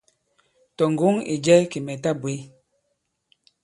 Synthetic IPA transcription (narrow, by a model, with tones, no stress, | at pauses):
tɔ˨ŋ˨ɡo˨˦ŋḭ˨d͡ʒɛ˦ki˨mɛ˨ta˦bwe˨˦